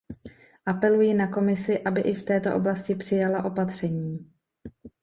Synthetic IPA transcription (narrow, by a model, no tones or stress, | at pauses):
ʔapɛlujinako̞mɪsɪʔabɪʔɪft̪ɛːt̪o̞ʔo̞blascɪpr̝̥ɪjalaʔo̞pat̪r̝̥ɛɲiː